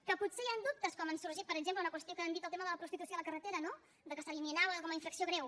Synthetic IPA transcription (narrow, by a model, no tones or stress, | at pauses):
kəputsejand̪up̚t̪əskɔmənsuɾʒit̪̚pəɾəɡzempləunəkwəst̪iokəənd̪it̪əlˠt̪eməðələpɾust̪it̪usjoələkərət̪eɾəno | d̪əkəsəliminaβəkɔməiɱfɾəksioɣɾɛw